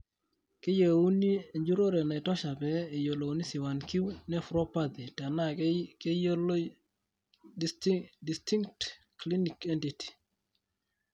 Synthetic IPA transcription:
kɪ˦je˨u˦ni˦e˨ɲd͡ʒu˦ɾo˦ɾɛ˨na˨ɪ˨tɔ˦ʃa˨pɛː˨jo˨lo˨wni˦sɪ˨wa˨nki˦wnɛ˦fɾɔ˦pa˦d̪i˨ta˨na˦ke˦jl | stdi˨sti˦ŋk̚t | kli˦ni˨kɛ˦nti˨ti̥˨

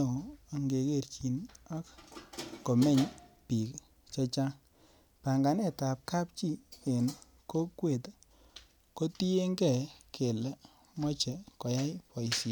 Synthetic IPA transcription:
o˨a˨ŋɡe˨ke˦˨ɾt͡ʃi˨na˦k | ko˨mɛ˦˨ɲpi˨k | t͡ʃɔ˧t͡ʃa˦ŋ | pa˨ŋɡa˨nɛ˦˨ta˨p̚ka˦p̚t͡ʃi˦e˨n | ko˦kwe˨t | ko˦ti˦e˦ŋɡɛ˦˨kʰe˨l | mɔ˦t͡ʃɛ˨kɔ˨ja˦jpɔ˨i˨si˨

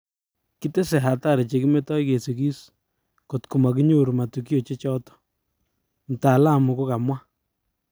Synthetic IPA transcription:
ki˦te˦se˨ɦa˨ta˦˨ɾe˨t͡ʃe˨ki˦me˦tɔ˦i˦ke˨se˨ki˦s | ko˨tku˨ma˨k̬i˦ɲo˦ɾu˨ma˨tu˨ki˦jo˨t͡ʃe˦t͡ʃɔ˦tɔ̥˦ | m̩˨ta˨la˦˨mu˨ko˦ka˨mwa˦

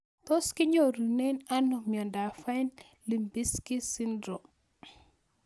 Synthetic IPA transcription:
t̪ɔ˦ski˦ɲo˨ɾu˨nɛ˦na˦nɔ˨mjɔ˨nda˨fa˦jn | li˨mbi˦ski˦si˦ndɾɔ˨m

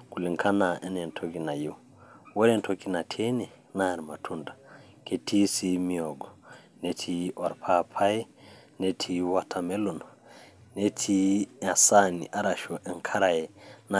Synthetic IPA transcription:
ku˨li˨ŋkʰa˦na˨ʔɛ˦nɛ˨ntʰo˦ki˨na˨jo˦ | wɔ˦ɾɛ˦˨ntʰo˦ki˦na˨tʰe˦ɲɛ˨ | na˦˨ɾima˨tʰu˦nda˨ | ke˨ti˦si˦mi˦ɔ˨ɡɔ˨ | ne˦tʰi˦ɔ˨ɾpʰa˦pʰa˦i˦ | ne˦tʰi˦wa˦tʰa˨me˦lu˨nane˦tʰi˦a˨sa˦nḭ˨ʔa˦ɾa˨ʃɔ˨ʔɛ˨ŋkʰa˦ɾa˨jɛ˨na˨

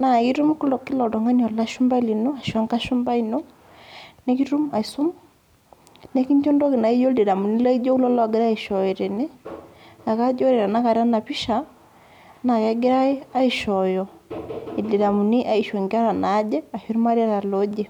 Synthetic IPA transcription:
na˨ki˦ɾu˦m˦ku˦lɔ˨kːi˦lɔ˨dɔ˨ŋa˦ni˨ɔ˨la˦ʃu˦mba˦i˦li˨no˦a˨ʃa˦ŋka˦ʃu˦mba˦i˨no˦ | ne˦ki˦ɾu˦ma˨i˨su˦m | ne˦ki˦ɲd͡ʒɔ˦ndɔ˦ki˨na˨i˦d͡ʒɔ˦de˨da˨mu˨ni˦la˦i˦d͡ʒɔ˦u˦lɔ˦lɔ˦˨ɡɪ˦ɾa˦i˨ʃɔ˨i˨ɾe˨ne˦na˨ka˦d͡ʒɔ˦ɾe˨ɾa˨na˦ka˨ɾa˦na˨pi˦ʃa˨ | na˨ja˦ɡɪ˦ɾa˦i˦a˦i˨ʃɔ˨jɔ˨i˨de˨da˨mu˨ni˦ʔa˦i˨ʃɔ˨ŋɡa˦ɾa˨na˨˦d͡ʒɛ˦a˨ʃi˦ɾma˦ɾa˦ɾa˨lo˦d͡ʒe˦˨

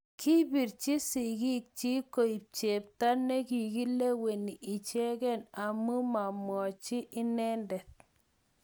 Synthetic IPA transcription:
kʰi˦bi˨ɾt͡ʃi˦si˨ɡi˦k̚t͡ʃi˦ko˨i˨p̚t͡ʃe˨p̚ta˦nɛ˦ki˨ɡi˦le˦we˨ni˨ɪ˨t͡ʃe˦kɛ˦˨na˨mu˦ma˨mwɔ˨t͡ʃi˦ʔɪ˦nɛ˦ndɛ˨t̚

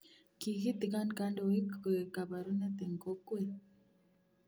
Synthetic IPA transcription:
ki˨ɣi˦t̪i˨ka˦nka˦ndo˨wi˦ke˨ka˨ba˨ɾu˦na˦t̪e˨ŋ˨ko˦kwe˨

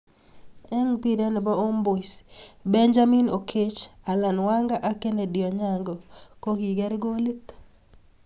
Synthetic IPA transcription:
ɛ˦ŋpi˦ɾɛ˦n˨ba˦o˦mbo˨sbɛ˦nd͡ʒa˦mi˦no˨kʰe˦t͡ʃa˨la˨nwa˦ŋɡa˦ʔa˦ke˦ne˨dɪ˨ɔ˨ɲa˨ŋɡɔ˨ko˦ɡi˨ɡɛ˦ɾɡo˦li˦t̪

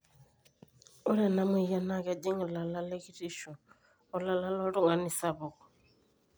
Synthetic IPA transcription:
u˦ɾɛ˦˨na˦mu˦i˨ja˦na˦ka˨d͡ʒi˦ŋɛ˨la˨la˦lɛ˦ɣi˦ɾi˦ʃɔ˨ | ɔ˦la˦la˦la˦ɔ˦ɺu˦ŋɡa˨ni˦sa˨βɔ˨ɣɔ˨

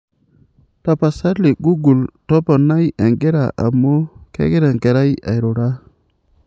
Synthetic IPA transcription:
ta˨pa˨sa˦ɾli˨ɡu˦ɡu˨lto˦po˨na˦je˨ŋɡe˦ɾa̰˨ʔa̰˨mo˦kḛ˦ɡe˦ɾa˨ŋke˨ɾa˦ja̰˨jɾo˨ɾa˦

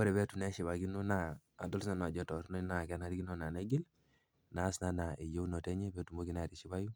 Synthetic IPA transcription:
ɔ˦ɾɛ˨βɛ˦tu˨nɛ˦ʃi˨βa˨ki˦no˦naː˨dɔ˦lsna˦˨n˨a˨d͡ʒɔ˦tɔ˨ɾnɔ˦na˨kɛ˦na˨˦ɾi˦ki˦nɔ˦na˨ne˦ɡi˦l | na˨˦sna˦na˨e˨jo˦wno˨tɛ˦ɲɛ˦bɛ˦tu˨mo˦ki˦na˨ɾi˨ʃi˦ba˦ju˦

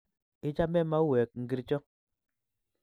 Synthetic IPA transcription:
i˦t͡ʃa˦mɛ˦ma˦u˦wɛ˨k̚ŋ̩˨ɡi˦ɾt͡ʃɔ˦

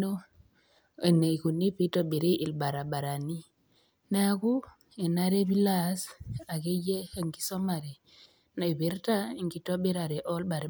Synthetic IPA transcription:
o˦ | e˨ne˨i˨ku˨ni˦pi˦to˦bi˨ɾi˦ʔi˨lba˨ɾa˨ɓa˨ɾa˨ni˦ | na˦ku˦ | e˨na˦ɾe˦bi˦la˦˨sa˨ke˦je˦a˨ŋki̥˦so˦ma˨ɾe˨ | na˨be˦ɾta˦i˨ŋki˨to˦ɓe˦ɾa˨ɾe˨ʔo˦lba˨ɾe˨˦

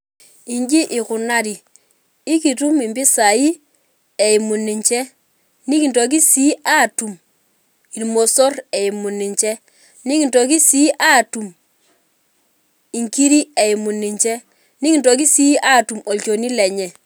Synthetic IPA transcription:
i˨ɲd͡ʒi˦ʔɪ˨kʊ˨na˦ɾi˨ | ɪ˦ki˨tu˦mi˨mbi˦sa˨i˦ | ɛ˨i˨mu˨ni˨ɲt͡ʃɛ˦ | ni˦ki˨nto˨k̬i˦si˦ʔa˦˨tu˨m | i˨lmo˨so˦rɛ˨i˨mu˨ni˨ɲt͡ʃɛ˦ | ni˦ki˨nto˨k̬i˦si˦ʔa˦˨tu˨m | i˨ŋki˦ɾi˦ɛ˨i˨mu˨ni˨ɲt͡ʃɛ˦ | ni˦ki˨nto˨k̬i˦si˦a˦˨tu˨mo˨t͡ʃo˨ni˦lɛ˨ɲɛ˨

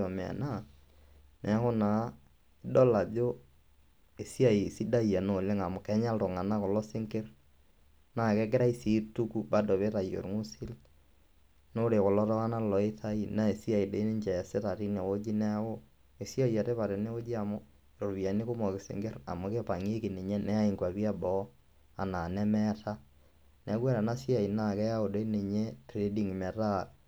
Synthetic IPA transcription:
ɔ˨mɛ˨a̰˨na˦˨ | nɛ˨a˦ko˦na˨˦ | ɪ˦dɔ˦la˨ðo˦ | e˨si˦a˨i˨si˦da˦˨ja˨no˨le˦ŋa˨mʊ˨kɛ˨˦ɲa˦lto˨ŋa˨na˦kɔ˨lɔ˦sɪ˦ŋke˦r | na˦kɛ˦kɪ˦ɾa˦i˦si˨˦tu˦ku˦ba˦do˨βe˦ta˨jo̰˨ɾŋu˦sɪ˦l | no˦ɾe˨kʊ˨lɔ˦tɔ˦a˦na˦lɔ˨i˦tʰa˦i˦na˦e˨si˦a˨i˨do˦ne˦ɲd͡ʒɛ˨a˨se˦ta˨ti˦ne˨o˦d͡ʒi˦nɛ˦o˦ | e˨sjɔ˦ja˨te˦βa˨ɾe˨ne˦o˦d͡ʒi˦a˨mʊ˦ | ɾo˨ɾbja˨ne˦ko˦mɔ˨kɪ˨sḛ˨ŋɡe˦ɾa̰˨mo˦ke˦pa˨ŋe˦ki˨ne˨ɲe˦nɛ˦a˦i˨ŋɡwa˨bi˦a˦bɔ˦ | a˨na˨nɛ˦mɛ˦ta˦ | nɛ˨˦kwa˦ɾa˨na˦si˦a˨i˨na˨kɛ˦ja˦o˨do˦i˦ne˨ɲe˦tɾe˦di˦ŋmɛ˨ta˦

